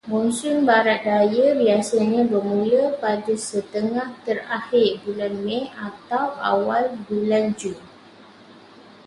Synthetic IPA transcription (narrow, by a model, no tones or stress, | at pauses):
munsʊnbaɾat̪̚dajəbiasaɲãbərmũləpadasət̪əŋaht̪ərahɪrbulanmɛ̃at̪awʔa̰walbuland͡ʒum